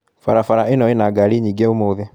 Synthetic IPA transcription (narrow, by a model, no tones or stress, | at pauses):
faɾafaɾaenɔenaɡaɾiɲiːɡeomoːðe